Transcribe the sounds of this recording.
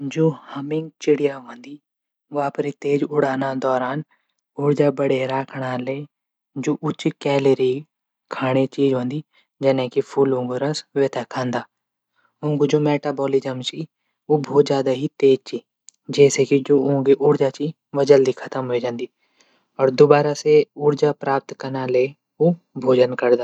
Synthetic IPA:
d͡ʒoːhəmɪ̃ŋɡ̚t͡ʃɪɽɪjaːɦõːnd̪iː | ʋaːpɾiːt̪eːd͡ʒʊɽaːnãːd̪ɔːɾaːn | ʊɽd͡ʒaːbəɽeːɾaːkʰɽaːleː | d͡ʒoːʔʊt͡ʃkɛːleɾiː | kʰaːɽ̃eːt͡ʃiːd͡ʒɦõːnd̪iː | d͡ʒɛːnẽːkipʰuːlõːŋɡoɾəsʋeːt̪akʰãːnd̪aː | ʊ̃ːŋɡud͡ʒoːmeːʈaːbɔːlid͡ʒəmt͡ʃi | obʱoːt̪d͡ʒjaːd̪aɦit̪eːd͡ʒt͡ʃiː | d͡ʒɛːsekid͡ʒoːʊ̃ɡiʔʊɾd͡ʒat͡ʃi | ʋəd͡ʒəld̪ikʰət̪əmɦoed͡ʒãːnd̪iː | ɔːɾd̪ʊbaːɾaseʊɾd͡ʒapɾaːp̚t̪kəɾnaːle | oː | bʱoːd͡ʒənkəɾd̪aː

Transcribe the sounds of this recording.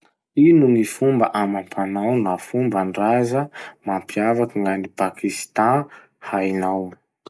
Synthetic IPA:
inunifumbəʔamapʰanawnafumbaɳɖ͡ʐazəmampiavakiŋɡanipakʰist̪ã | hajnaw

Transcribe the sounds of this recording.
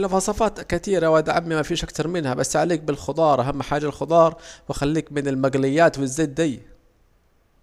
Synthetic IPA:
lfɑsˤɑfɑːt̪kɪt̪iːɾawad̪ʕamːimafiːʃʔakt̪ɑɾˤmɪnhabasːʕaliːk̚bɪlxʊd̪ˤɑːɾˤʔaɦamːħaːʒalxʊd̪ˤɑːɾˤwɪxalːiːkmɪnɪlmaɡlɪjːaːt̪wɪzːeːd̪̚ːaj

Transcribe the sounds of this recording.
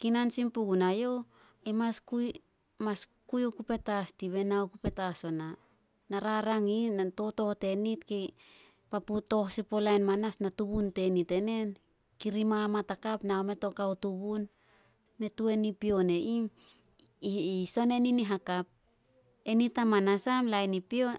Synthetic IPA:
kinansimpuɡunajo̞ | emaskuj | maskujokupe̞tastiβe̞naokupe̞taso̞na | naɾaɾaŋiato̞to̞hte̞nitke | paputo̞hsipolajnmanasnatuβunte̞nite̞ne̞n | kiɾimamatakapnaome̞to̞kawtuβun | me̞tue̞nipio̞ne̞ʔim | so̞ne̞niniɦakap̚ | e̞nitamanasamlajnipio̞

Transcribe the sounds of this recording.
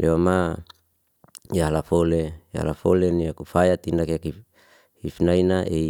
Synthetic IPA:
lʔeama | jaɦalafoleja̰a̰lafoleniakufajat̪inakeaki | hifnainaʔei

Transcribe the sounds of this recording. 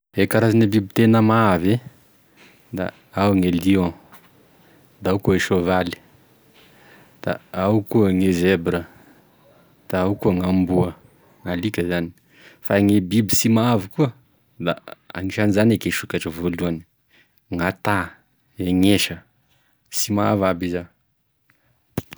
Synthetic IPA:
ekaɾazinebibit̪enəmave | d̪a̰ | awŋelio | d̪aawkueʃovali̥ | d̪̥a̰awkuəŋezebɾə | d̪̥aawkuəŋambuə | ŋalikʲəzani̥ | faŋebibi̥simaavukuə | d̪a̰a̰ŋiʃanizanekeʃukaʈ͡ʂəvoluani̥ | ŋat̪a | eŋeʃə | simaa̰vabiza

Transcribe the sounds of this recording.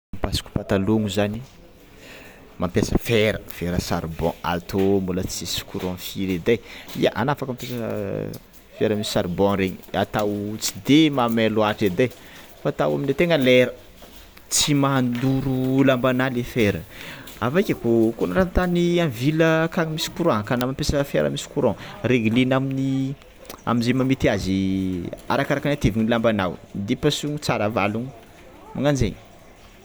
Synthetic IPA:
mpasi̥ku̥pat̪aloŋuzani | mampjasəfeɾəfeɾəsa̰ɾbɔ̃a̰t̪ʰombulət͡sisu̥kuɾɔ̃fiɾed̪ajḭaʔanafakamampasə | feɾəmisi̥saɾbɔ̃ɾeɲiat̪awt͡si̥d̪emameluaʈ͡ʂed̪aj | fat̪awa̰minet̪eŋəleɾə | t͡simand̪uɾulambanalefeɾəavajkʲakukonaɾant̪aniamviləkaŋəmisi̥kuɾaŋkanamampesafeɾə̰misi̥kuɾãŋreɡilinamini | a̰minzemamit̪iazi | a̰ɾakaɾakanat̪eviɲilambana̰wd̪ipasuŋit͡saɾəva̰luŋ | maŋanzḛɲ

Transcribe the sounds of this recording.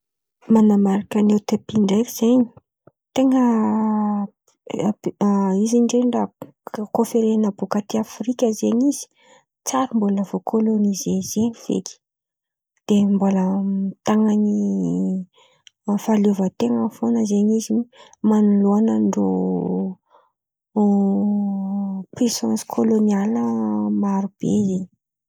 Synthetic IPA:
manamaɾakanewt̪epiɳɖ͡ʐaɾiz̥eɲi̥ | t̪eŋə | iziɳɖ͡ʐera | kofeɾenəbukat̪iafrikʲəzeɲizi̥ | t͡saɾimboləv̥okʰolonizezeniv̥ḛki̥ | d̪̥emboləmit̪aŋani | faluvət̪eŋəfonəzeɲizinimanuluanəɳɖ͡ʐo̰ | pisɔ̃nskʰolonialəmaɾub̥ḛzeɲi

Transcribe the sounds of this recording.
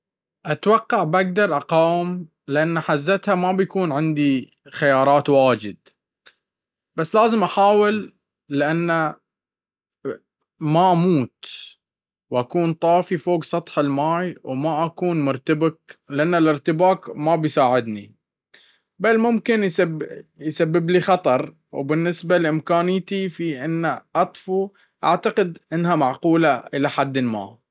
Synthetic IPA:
ʔat̪wɑqːɑʕbʔaɡ̚d̪ɑɾˤʔɑqɑːm | lɪʔanːaħazːat̪hamabjakuːnʕɪnd̪i | xajɑːɾˤɑːt̪waːd͡ʒɪd̪̚ | b̥asːlaːzɪmʔaħaːwɪlː | ɪʔanːa | maʔamuːt̪ | wʔakuːnt̪ˤɑːfifoːɡsˤɑt̪ˤħɪlmaːjwmaʔakuːnmʊɾt̪abaklɪʔanːalɪɾt̪ɪbaːkmabɪjsaːʕɪd̪ni | balmʊmkɪnjsabjsabːɪblixɑt̪ˤɑɾˤ | wbɪnːɪsbalʔɪmkaːnɪjt̪ifiʔɪnːaʔɑt̪ˤfu | ʔaʕt̪aqɪd̪ʔɪnːɦamaʕquːlaʔɪlaħad̪ːɪlma̰ː

